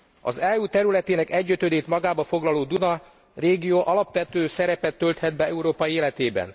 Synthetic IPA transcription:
ɒ̰zɛuːt̪ɛɾylɛt̪eːnɛkɛɟːøt̪ød̪eːt̪mɒɡaːbɒfo̞ɡlɒloːd̪unɒ | reːɡijoːʔɒlɒpʋɛt̪øːsɛɾɛpɛt̪ːø̞lt̪hɛd̪̚bɛɛuɾoːpɒieːlɛt̪eːbɛ̰n

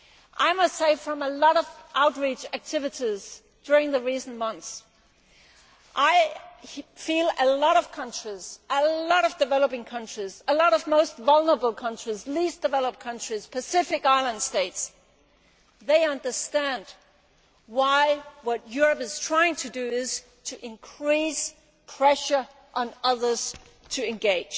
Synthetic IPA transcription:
ʔaɪmʌstseɪfɹʌ̃məlɔɾʌvʔaʊt̚ɹit͡ʃæk̚tʰɪvɨɾiz | d̥ʊɹɪ̃ŋðɨɹisn̩mʌ̃nθs | ʔaɪ | filˠəlɔɾʌv̥kʰʌ̃nt͡ʃɹ̥iz̥ʔəlɔɾʌvdɨvɛlˠəpɪ̃ŋkʰʌ̃nt͡ʃɹ̥izəlɔɾʌvmoʊstvʌlˠnə˞əbl̩ˠkʰʌ̃nt͡ʃɹ̥izlisd̥ɨvɛlˠəp̚kʰʌ̃nt͡ʃɹ̥iz̥pʰɨsɪfɨkaɪlˠə̃nd̥steɪts | ðeɪʌ̃ndə˞stæ̃nd | waɪwʌt̚jʊɹɨpɨz̥tʰɹ̥aɪɪ̃ŋtʰɨdɨɪz̥ | tʰɨʔɨ̃nkʰɹ̥is | pʰɹ̥ɛʃə˞ | ʔə̃nʌðə˞z̥ | tʰɨɨ̃nɡeɪd̥ʒ̥

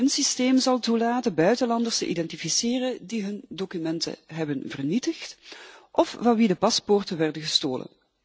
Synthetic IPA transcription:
ɦənsisteːmzɑlˠtulaːtəbœɥtəlɑndərstə̰ʔḭdɛntifisɪːrədiɦɵndokymɛntə̰ɦɛbənvərnitəxtʔɔfvɑnʋidəpɑspʊːrtənʋɛrdəɣəstoːlə̰n

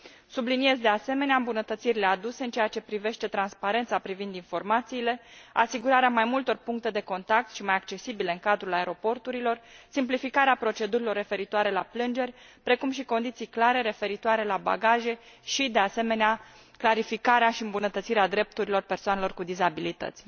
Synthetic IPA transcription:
sublinije̞zd̪e̞ase̞me̞neaɨmbunət̪ət̪siɾile̞ad̪use̞ɨnt͡ʃejat͡ʃe̞pɾive̞ʃt̪e̞t̪ɾanspaɾe̞nt̪sapɾivind̪info̞rmat̪siːle̞asiɡuɾaɾeamajmult̪o̞rpuŋk̚t̪e̞d̪e̞ko̞nt̪ak̚t̪ʃimajakt͡ʃe̞sibileɨŋkad̪ɾulae̞ɾo̞po̞rt̪uɾilo̞rsimplifikaɾeapɾo̞t͡ʃe̞d̪uɾilo̞rːe̞fe̞ɾit̪oaɾe̞laplɨnd͡ʒe̞rʲpɾe̞kumʃ̬iko̞nd̪it̪sijklaɾe̞ɾe̞fe̞ɾit̪oaɾe̞laba̰ɡaʒe̞ʃid̪e̞ase̞me̞nea | klaɾifikaɾeaʃiɨmbunət̪ət̪siɾead̪ɾe̞p̚t̪uɾilo̞rpe̞rsoanelo̞rkud̪izabilit̪ə̰t̪sʲ

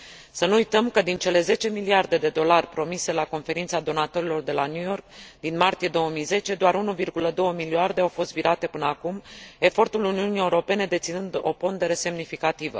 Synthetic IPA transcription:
sənuːjt̪əmkəd̪int͡ʃe̞le̞ze̞t͡ʃe̞miliard̪e̞d̪e̞d̪o̞larʲpɾo̞mise̞lako̞nfe̞ɾint̪sad̪o̞nat̪o̞ɾilo̞rd̪e̞lanjujo̞rk̚d̪inmart̪ije̞d̪o̞wəmijze̞t͡ʃe̞d̪oaɾunuvirɡuləd̪o̞wəmiliard̪e̞awfo̞st̪viɾʔat̪e̞pɨnəakume̞fo̞rt̪uluniunije̞uɾo̞pe̞ne̞d̪e̞t̪sinɨnd̪o̞̰po̞nd̪e̞ɾe̞se̞mnifikat̪ivə̰

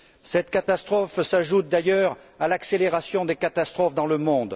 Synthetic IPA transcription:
sɛt̪kat̪ast̪χɔfsaʒut̪̚d̪ajœʁ | alakseleʁasjɔ̃d̪ekat̪ast̪χɔfd̪ɑ̃ləmɔ̃d̪

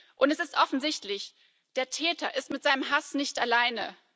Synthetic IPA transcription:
ʔʊntɛsɪstʔɔfn̩zɪçtlɪç | d̥eːɐtʰɛːtɐʔɪstmɪtz̥aɪnəmɦasnɪçtalaɪnə̰

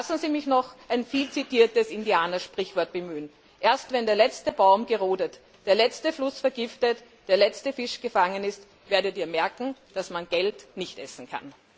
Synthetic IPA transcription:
lasn̩ziːmɪçnɔxʔaɪnfiːlt͡sitiːɐtəsɪndiaːnɐʃpʁ̥ɪçv̥ɔɐt̚b̥əmyːən | ʔeːɐstvɛndeːɐlɛt͡stəbaʊmɡəʁoːdət | d̥eːɐlɛt͡stəflʊsfɛɐɡɪftət | d̥eːɐlɛt͡stəfɪʃɡ̥əfaŋənɪst | v̥eːɐdəːtiːɐmɛɐkŋ̩d̥asmanɡ̥ɛltnɪçtʔɛsn̩kʰa̰n

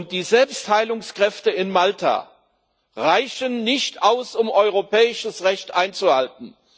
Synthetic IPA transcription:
ʊnt̚d̥iːzɛlpsthaɪlʊŋskʁ̥ɛftəɪnmaltʰa̰ | ʁaɪçənːɪçtʔaʊsʊmʔɔʏʁopʰɛːɪʃəsʁɛçtʔaɪnt͡suhalt̚n̩

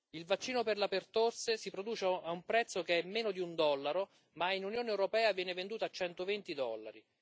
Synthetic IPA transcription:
ilvat͡ʃːiːnoperlapert̪orsesipɾod̪uːt͡ʃaumpɾɛt̪sːokeɛmːeːnod̪iund̪ɔlːaɾo | mainunjoːneewɾopɛːavjɛːnevend̪uːt̪at͡ʃːɛnt̪ovent̪id̪ɔ̰lːa̰ɾi

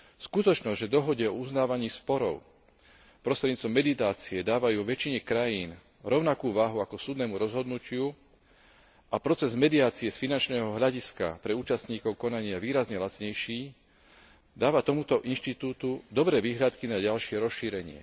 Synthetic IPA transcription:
fskut̪ɔt͡ʃnɔzɟʒɛd̪ɔɦɔɟɛɔuznaːʋaɲiːspɔɾɔʊ | pɾɔst̪ɾɛd̪ɲiːt͡st̪ʋɔmːɛd̪it̪aːt͡siɛd̪aːʋajuːʋɛt͡ʃiɲɛkɾajiːn | ɾɔʊnakuːʋaɦuakɔsuːd̪nɛːmuɾɔzɦɔd̪nucɪu | ʔapɾɔt͡sɛzmɛd̪iaːt͡siɛsfinant͡ʃnɛːɦɔɦʎaɟiska̰pɾɛuːt͡ʃast̪ɲiːkɔʊkɔnaɲɪaʋiːɾazɲɛlat͡sɲɛjʃiː | d̪aːʋat̪ɔmut̪ɔʔinʃt̪it̪uːt̪ud̪ɔbɾɛːʋiːɦʎat̪kinaɟalʃɪɛɾɔsʃiːɾɛɲɪɛ̰

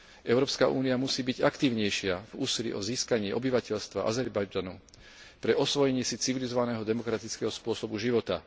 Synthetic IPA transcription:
ʔɛʊɾɔːpskaʔṵːniamusiːbiɟakt̪iːʊɲɛjʃɪavuːsilḭʔɔziːskaɲɪɛʔɔbiʋacɛʎst̪ʋa̰ʔa̰zɛɾbajd͡ʒanu | pɾɛʔɔsʋɔjɛɲɪɛsit͡siʋilizɔʋanɛːɦɔd̪ɛmɔkɾat̪it͡skɛɦɔspʊɔsɔbuʒiʋɔt̪a

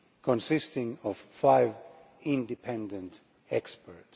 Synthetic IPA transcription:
kʰɔ̃nsɪstɪ̃ŋɔv̥faɪv | ɪ̃ndɨpʰɛ̃ndə̃nt | ɛkspəɹt

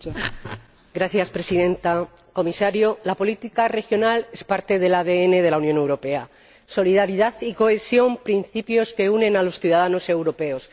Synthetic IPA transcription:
ɡɾaθjaspɾe̞siðe̞nt̪a | ko̞misaɾjolapo̞lit̪ikare̞xjo̞nale̞spaɾt̪e̞ðe̞laðe̞e̞ne̞ð̞e̞launjone̞wɾo̞pe̞a | so̞liðaɾiðaθiko̞e̞sjo̞mpɾin̟θipjo̞ske̞unẽ̞nalo̞sθjuðað̞ano̞se̞wɾo̞pe̞o̞s

